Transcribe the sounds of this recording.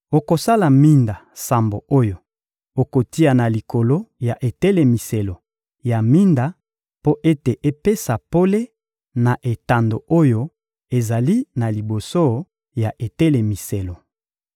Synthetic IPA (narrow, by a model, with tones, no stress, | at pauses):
o˨ko˨sa˦la˨mi˦nda˨sa˨mbo˨o˦jo˨ | o˨ko˨ti˦a˨na˨li˨ko˨lo˦ja˨ʔe˨tɛ˦le˨mi˨se˨lo˨ | ja˨mi˦nda˨ | po˦ʔe˦te˨ʔe˦pe˦sa˨po˦le˦ | na˨ʔe˨ta˨ndo˨o˦jo˦ | e˨za˨li˦na˨li˨bo˨so˦ | ja˨ʔe˨tɛ˦le˨mi˨se˨lo˨